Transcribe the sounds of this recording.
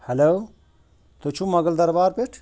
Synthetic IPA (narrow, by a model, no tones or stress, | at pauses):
hɐloː | t̪ot͡ʃʰũmɐɡəld̪ɐɾbaːɾpeʈʰ